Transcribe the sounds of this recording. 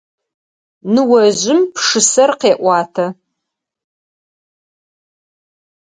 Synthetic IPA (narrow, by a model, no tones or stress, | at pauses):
nɨwɐʑɪmpʂɨsɐrqeːʔʷɑːtʰɐ